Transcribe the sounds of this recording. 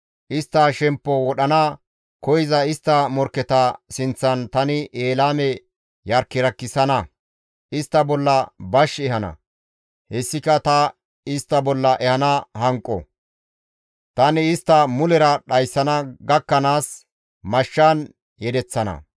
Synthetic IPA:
ʔɪst̪ːɐʃɛmpːɔwɔɗɐnɐ | kɔjzɐɪst̪ːɐmɔɾkːɛt̪ɐsɪnt͡sːɐnt̪ɐnɪʔeːlaːmɛ | jɐɾkːɪɾɐkːɪsɐnɐ | ʔɪst̪ːɐbɔlːɐbɐʃɛhɐnɐ̰ | hɛsːɪkɐt̪ɐ | ɪst̪ːɐbɔlːɐʔɛhɐnɐhɐŋkʼːɔ̰ | t̪ɐnɪɪst̪ːɐmʊlɛɾɐɗɐjsːɐnɐɡɐkːɐnaːs | mɐʃːan | jɛd̪ɛt͡sːɐnɐ̰

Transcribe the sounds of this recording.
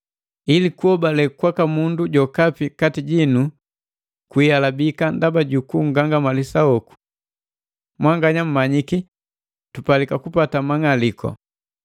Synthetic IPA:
ilikuɔbalɛkwakamunduɟɔkapikatiɟinu | kwialabikandabaɟukuŋ̩ɡaŋɡamalisaɔku̥ | mwaŋɡaɲam̩maɲiki | tupalikakupatamaŋalikʰɔ̰

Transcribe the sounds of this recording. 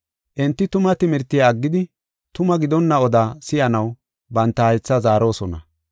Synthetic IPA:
ʔɪnt̪ːɪt̪ʊmɐt̪ɪmɪɾt̪ːɪjaːɡːɪd̪ɪ | t̪ʊmɐɡɪd̪ɔnːɐɔd̪aːsɪjɐnɐw | bɐnt̪ːɐhɐjt͡sːɐzaːɾo̞ːsɔnɐ̰

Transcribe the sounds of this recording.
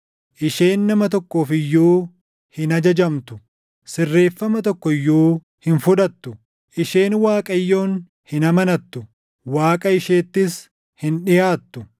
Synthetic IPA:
ʔɪʃeːnːɐmɐt̪ɔkːo̞ːfɪjːuː | hɪnɐd͡ʒɐd͡ʒɐmt̪ʊ̥ | sɪrːe̞ːfːɐmɐt̪ɔkːɔjːuː | hɪnfʊᶑ̪ɐt̪ːʊ | ʔɪʃe̞ːnwaːkʼɐjːo̞ːn | hɪnɐmɐnɐt̪ːʊ | waːkʼɐɪʃe̞ːt̪ːɪs | hɪnᶑɪjaːt̪ːʊ

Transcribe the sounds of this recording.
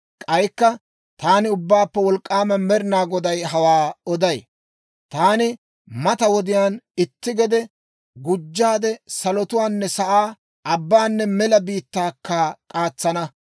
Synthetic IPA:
kʼɐjkːɐ | t̪aːnɪʊbːaːpːɛwɔlkʼːaːmɐmɛɾɪnaːɡɔd̪ɐjɦɐwaːɔd̪ɐj | t̪aːnɪ | mɐt̪ɐwɔd̪ɪjaːnɪt̪ːɪɡɛd̪ɛ | ɡʊd͡ʒːaːd̪ɛsɐlɔt̪ʊwaːnːɛsɐʔaː | ɐbːaːnːɛmɛlɐbiːt̪ːaːkːaːkʼaːt͡sːɐnɐ

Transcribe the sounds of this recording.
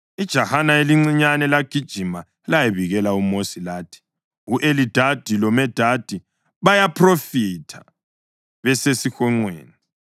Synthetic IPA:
id̥ʒ̥ʱahanaeliŋ͡ǀiɲanɛlaɡ̥ʱid̥ʒ̥ʱima | ɛlajeβiɣɛlaumosilaːtʰi̥ | uʔelid̥ʱad̥ʱilɔmɛd̥ʱad̥ʱi | βajapʰrofitʰḁ | βɛsesixɔŋ͡ǀwḛːni

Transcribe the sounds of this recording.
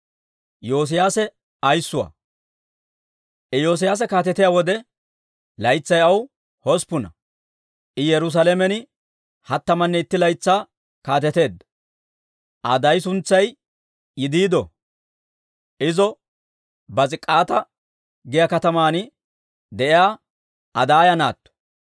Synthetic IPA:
jo̞ːs̬ɪjaːsɛ | ɐjsːʊwɐ̰ː | ʔɛjo̞ːs̬ɪjaːs̬ɛkaːt̪ɛt̪ɪjawɔd̪ɛ | lɐjt͡sːɐjɐw | hɔspʊnɐ | ʔɪjɛɾʊs̬ɐlɛmɛnɪ | hɐt̪ːɐmɐnːɛɪt̪ːɪlɐjt͡sːaː | kaːt̪ɛt̪e̞ːd̪ːɐ̥ | ʔɐ̰d̪ɐjsʊnt͡sːɐj | jɪd̪iːd̪ɔ | ʔɪzɔ | bɐt͡sʼɪkʼːaːt̪ɐ | ɡɪjɐkɐt̪ɐmaːnɪ | d̪ɛʔɪjaː | ɐd̪aːjɐna̰ːt̪ːɔ̥

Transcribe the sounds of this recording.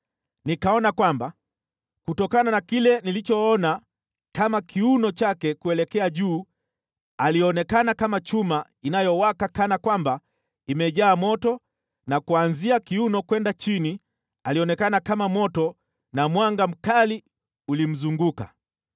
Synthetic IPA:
nikaɔnakwamba | kutɔkananakilɛnilit͡ʃɔɔna | kamakʰiunɔt͡ʃakɛkuɛlɛkɛaʄuː | aliɔnɛkanakamat͡ʃuma | inajɔwakakanakwamba | imɛʄaːmɔtɔ | nakuanziakiunɔkwɛndat͡ʃini | aliɔnɛkanakamamɔtɔ | namwaŋɡam̩kali | ulim̩zuŋɡuka̰

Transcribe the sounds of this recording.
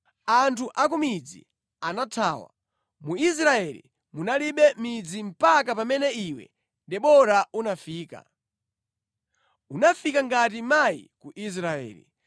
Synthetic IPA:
antʰuʔakumid͡zḭ | anatʰaːwa̰ | muis̬ɾaɛlḭ | munaliɓɛmid͡zim̩pak̬apamɛnɛiwɛ̰ | dɛɓɔɾaunafiːka̰ | unafikaŋɡatimaḭkuʔis̬ɾaɛ̰ːlḭ

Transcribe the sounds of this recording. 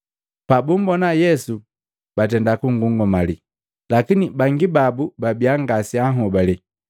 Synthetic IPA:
pabum̩bɔnajɛsu | b̥at̬ɛndakuŋɡuŋɡɔmali | lakinibaŋɡibabubabiaŋɡasiaɦɔbali

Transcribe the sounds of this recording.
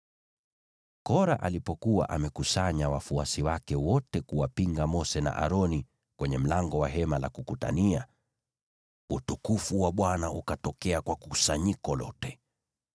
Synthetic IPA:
kɔɾa̰ʔa̰lipɔkuwa̰ʔamɛkusaɲawafuasiwakɛwɔtɛkuwapiŋɡamɔsɛna̰ʔa̰ɾɔni | kwɛɲɛm̩laŋɡɔwaɦɛmala̰kukuta̰nia | utukufuwaɓwanaukatɔkɛakwakusaɲikɔlɔ̰tɛ

